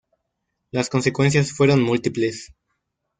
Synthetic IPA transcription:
lasko̞nsekwe̞ns̬jasfwe̞ɾo̞nmult̪iples

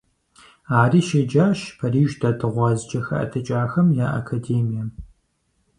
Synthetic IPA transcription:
aːriːʃɐd͡ʒaːʃpʰɐriːʒdɐdʰɨʁʷɑːzd͡ʒʼɐxɐ̰ʔɐ̰tʰɐt͡ʃʼaːxɐmjaːʔɐ̰kʰadeːmijɐ

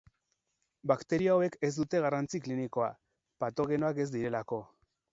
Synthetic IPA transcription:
bakt̪e̞ɾioawe̞ke̞zd̪ut̪e̞ɣ̞arant͡sikliniko̞a̰ | pat̪o̞ɣe̞no̞ake̞zd̪iɾe̞lako̞

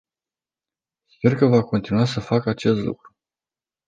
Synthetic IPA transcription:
spe̞rkəvako̞nt̪inuasəfakəat͡ʃe̞st̪lṵkɾu

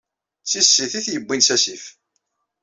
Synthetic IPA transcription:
t͡sːisːiθiθjəbːinsæsif

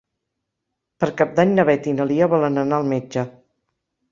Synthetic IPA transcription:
pəɾkap̚d̪aɲnəβɛt̪inəliəβɔlənənaəlˠmed͡ʒə

